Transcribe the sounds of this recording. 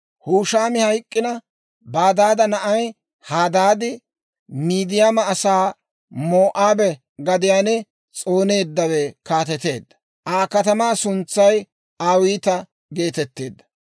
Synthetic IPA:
huːʃaːmɪhɐjkʼːɪnɐ | baːd̪aːd̪ɐnɐʔɐj | haːd̪aːd̪ɪ | miːd̪ɪjamɐːsaː | moːʔaːbɛ | ɡɐd̪ɪjaːnɛ | t͡sʼo̞ːne̞ːd̪ːɐwɛkaːt̪ɛt̪e̞ːd̪ːɐ̥ | ʔaːkɐt̪ɐmaːsʊnt͡sːɐj | aːwiːt̪ɐ | ɡe̞ːt̪ɛt̪ːḛːd̪ːɐ̥

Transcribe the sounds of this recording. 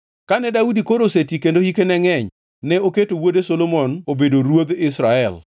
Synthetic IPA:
kanɛdaudikoɾosetikendohikenɛŋɛɲ | nɛoketowodesolomɔnobedoɾwod̪ɪsɾaɛl

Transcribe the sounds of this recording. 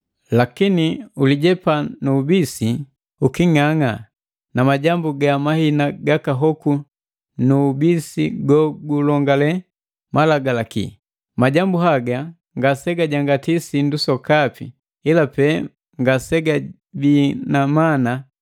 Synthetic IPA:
lakiniuliɟɛpanubisi | ukiŋaŋa | namaɟambuɡamahinaɡakaɦɔku | nubisiɡɔɡulɔŋɡalɛ | malaɡalakḭ | maɟambuɦaɡa | ŋɡasɛɡaɟaŋɡatisindusɔkapḭ | ilapɛ | ŋɡasɛɡa | binamana

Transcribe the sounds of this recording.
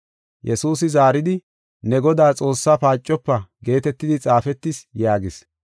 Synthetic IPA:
jɛsuːsɪzaːɾɪd̪ɪ | nɛɡɔd̪aːt͡sʼo̞ːsːapaːt͡ʃʼːɔpːɐɡe̞ːt̪ɛt̪ːɪd̪ɪt͡sʼaːfɛt̪ːɪsjaːɡɪs

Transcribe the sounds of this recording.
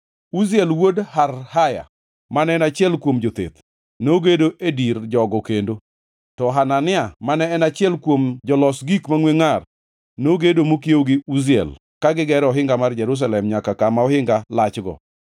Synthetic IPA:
uziɛlwodharhaja̰ | manɛnat͡ʃɪɛlkwomd͡ʒot̪ḛt̪ | noɡedoʔedird͡ʒɔɡɔkendo | tɔɦananɪamanɛːnat͡ʃɪɛlkwomd͡ʒɔlɔsɡikmaŋweŋar | noɡedomokjoɡɪuziɛ̰l | kaɡɪɡɛɾɔɦɪŋɡamard͡ʒɛɾus̬alɛmɲakakamaɔhɪŋɡalat͡ʃɡɔ̰

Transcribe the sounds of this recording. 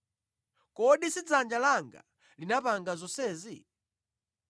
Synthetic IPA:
kɔɗisid͡zand͡ʒalaŋɡa̰ | linapaŋɡazɔsɛːzi

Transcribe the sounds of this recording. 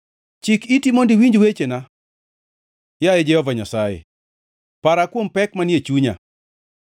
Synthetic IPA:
t͡ʃikitimondɪwiɲd͡ʒwet͡ʃena | jajɛd͡ʒɛhɔvaɲasajḛ | paɾakwompɛkmanjet͡ʃuɲa̰

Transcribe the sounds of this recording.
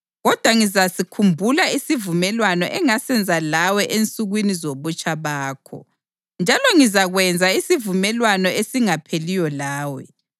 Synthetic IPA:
ɣɔd̥ʱwaŋizasikʰumbʱulaisivumɛlwanɔ̰ʔɛŋasɛnd͡zʱalawɛʔent͡sʼuɣwinizoβut͡ʃʼaβaːkʰɔ̰ | nd͡ʒʱalɔŋizaɣwɛnd͡zʱaisivumɛlwanɔesiŋapʰelijɔlaːwɛ

